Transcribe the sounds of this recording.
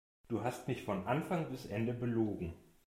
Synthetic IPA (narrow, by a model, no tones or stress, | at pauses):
d̥uːɦastmɪçfɔnʔanfaŋbɪsʔɛndəbəloːɡŋ̩